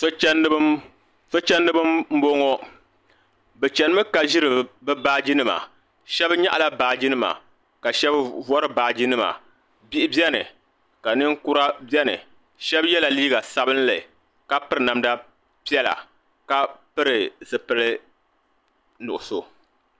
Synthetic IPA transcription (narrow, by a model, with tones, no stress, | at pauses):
so˦t͡ʃɛ˦n˦ | so˦t͡ʃɛ˦nːɨ˦bɨ˦mm̩˦bo˦ŋɔ˦ | bɛ˨t͡ʃɛ˨nɨ˦mɨ˦ka˨ʒi˦ɾɨ˨bɛ˦baː˦d͡ʒi˦nɨ˦ma̰˨ | ʃɛ˦bɲa̰˦ʔa˨la˦baː˨d͡ʒi˦nɨ˦ma̰˨ | ka˨ʃɛ˦bvɔ˦ɾɨ˦baː˨d͡ʒi˦nɨ˦ma̰˨ | bi˦ʔɪ˦bjɛ˦nɨ̰˨ | ka˨nɨ˦ŋkʊ˦ɾa˦bɛ˦nɨ̰˨ | ʃɛ˦bjɛ˦la˨liː˦ɡa˨sa˨bɨ˦n˦lɨ˨ | ka˦pɨ˦ɾɨ˨na˨mda˦ | pi˦ɛ˦la̰˨ | ka˨pɨ˦ɾɨ˨zɨ˨pɨ˦lɨ˦ | nʊ̰˨ʔʊ˨so˨